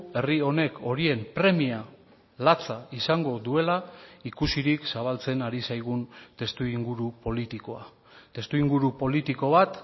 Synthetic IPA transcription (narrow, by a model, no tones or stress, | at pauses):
e̞rio̞ne̞kʰo̞ɾie̞mpɾe̞mia | lat͡saisaŋɡo̞ðue̞laikusiɾiksaβ̞alt͡se̞naɾisajɣ̞unt̪e̞st̪uiŋɡuɾupo̞lit̪ikoa | t̪e̞st̪uiŋɡuɾupo̞lit̪iko̞β̞at̪